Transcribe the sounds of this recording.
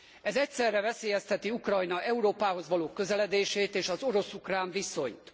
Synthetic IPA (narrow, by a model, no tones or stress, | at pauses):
ɛzɛcsɛrːɛvɛseːjɛst̪ɛt̪iukrɒjnɒʔɛuɾoːpaːɦo̞zʋɒloːkːø̞zɛlɛd̪eːʃeːt̪eːʃɒzo̞ɾo̞sukraːɱviso̞̰ɲt̪